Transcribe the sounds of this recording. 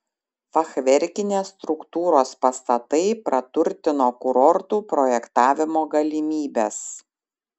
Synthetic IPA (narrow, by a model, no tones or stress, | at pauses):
fɐxʋʲɛɾʲkʲɪnʲeːst̪ɾʊkt̪uːɾoːspɐst̪ɐt̪ɐɪpɾʔɐt̪ʊɾʲt̪ʲɪnoːkʊɾɔɾt̪uːpɾɔjɛkt̪ɑːʋʲɪmoːɡɐlʲɪmʲiːbʲeːs